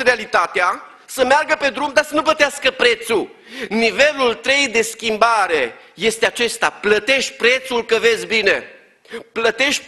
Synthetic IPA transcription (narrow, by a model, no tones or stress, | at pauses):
ɾealit̪at̪ea | səmearɡəpe̞d̪ɾumd̪asənuplət̪easkəpɾe̞t̪su | nive̞lult̪ɾe̞jd̪e̞skʲimbaɾe̞ | je̞st̪eat͡ʃe̞st̪aplət̪e̞ʃ̚ʲpɾe̞t̪sulkəve̞sʲbine̞ | plət̪e̞ʃ